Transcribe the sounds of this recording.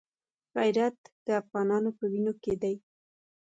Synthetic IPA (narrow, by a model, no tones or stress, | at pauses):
ɣajɾat̪d̪̥əafɣɑnɑnopəwinoked̪aj